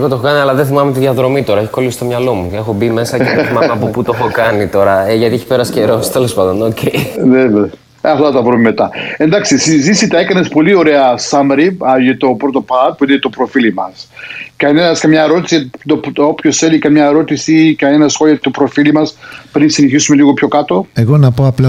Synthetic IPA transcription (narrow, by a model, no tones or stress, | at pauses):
eɣot̪oeokɐniɐlɐðeθimɐmet̪iðɐðɾo̞mit̪o̞ɾɐeçi̥kolisist̪o̞mɲɐlo̞muexo̞bime̞sɐceθimɐmeɐpoput̪ooxokɐnit̪o̞ɾɐeʝɐt̪ieçi̥peɾɐsceɾo̞st̪e̞lo̞spɐd̪onocʰeneve | ɐft̪ɐt̪ɐvɾumeme̞t̪ɐe̞nd̪ɐksisizisit̪ɐekɐnespo̞lio̞ɾe̞ɐsɐmɾiɐjet̪opɾot̪o̞pɐt̪̚puinet̪opɾo̞filimɐskɐne̞nɐskɐmɲɐeɾo̞t̪i̥siɐt̪opopço̞sθelikɐmɲɐeɾo̞t̪isikɐne̞nɐsxoliɐt̪opɾo̞filimɐspɾinsineçisume̞liɣo̞pço̞kɐt̪o̞e̞ɣo̞nɐpoɐplɐ